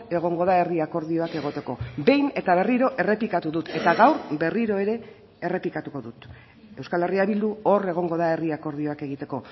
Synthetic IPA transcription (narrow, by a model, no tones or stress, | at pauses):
e̞ɣ̞o̞ŋɡo̞ðae̞riako̞ɾðio̞ake̞ɣ̞o̞t̪e̞ko̞be̞jne̞t̪aβ̞e̞riɾo̞ʔe̞re̞plikat̪uðut̪e̞t̪aɣawɾbe̞riɾo̞e̞ɾe̞ | e̞re̞plikat̪uko̞ðut̪ | e̞wskale̞riaβild̪uo̞re̞ɣ̞o̞ŋɡo̞ðae̞riako̞ɾðio̞ake̞ɣit̪e̞ko̞